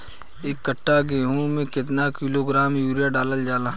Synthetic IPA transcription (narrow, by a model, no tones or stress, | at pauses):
eːkːəʈʰːaɡẽːɦũmẽkɪt̪̬nakiloɡɾaːmjuːɾijaɖaːləld͡ʒaːla